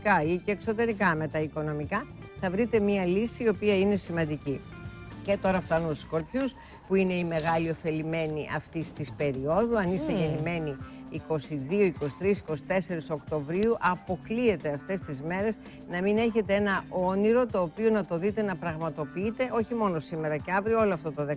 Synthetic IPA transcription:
kɐiceːkso̞t̪̬e̞ɾikɐme̞t̪ɐiko̞no̞mikɐ | θɐvɾit̪e̞miɐlisiːo̞piɐine̞simɐnd̪ici | ce̞t̪o̞ɾɐft̪ɐnut̪u̥sko̞ɾpçus | puine̞ime̞ɣɐlio̞fe̞lime̞niʔɐ̰ft̪ist̪ispe̞ɾio̞ðuɐnist̪eʝenime̞niːko̞siðio̞iko̞si̥t̪ɾisi̥ko̞si̥t̪e̞se̞ɾisokt̪o̞vɾiuʔɐpo̞klie̞t̪e̞ɐft̪e̞st̪izme̞ɾe̞z | nɐmine̞çe̞t̪e̞enɐo̞niɾo̞t̪o̞ːpio̞nɐt̪o̞ðit̪e̞nɐpɾɐɣmɐt̪o̞piit̪e̞ʔo̞çimo̞no̞sime̞ɾɐceɐvɾiooloɐft̪o̞t̪oðe

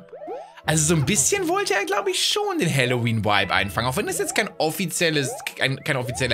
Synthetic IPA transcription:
ʔalzozonbɪsçə̃nvɔltɛadlaʊt̚biʃoːndɛnɦɛlowĩːnwa̰ɪbã̰ɪ̃nfãŋaʊfɔɪ̃ndəsɛskʰãɪndɔfit͡sɛləskã̰ɪ̃nkʰãɪ̃nɔfit͡sɛl

